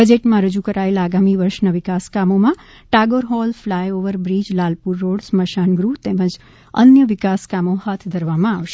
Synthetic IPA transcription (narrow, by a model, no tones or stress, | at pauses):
əd͡ʒeʈmãɾəd͡ʒukəɾaelaːɡamiʋəɾʃnaʋɪkaskamomã | ʈaɡoɾɦɔlflajoʋəɾbɾid͡ʒlalpuɾːoɽsməʃanɡɾut̪emə̃d͡ʒ | ə̰njəʋɪkaskamohat̪ʰd̪ʱəɾʋamãaʋʃe